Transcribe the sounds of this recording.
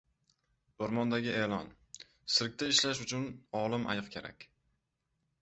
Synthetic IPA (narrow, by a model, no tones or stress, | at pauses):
ʊɾmɒnd̪aɡʲɪe̞ːlɒn | sɪɾk̚ʲt̪aɪʃlaʃʊt͡ʃʰʊnɒlˠɪmʔa̰jɨqkʲʰe̞ɾa̰kʲ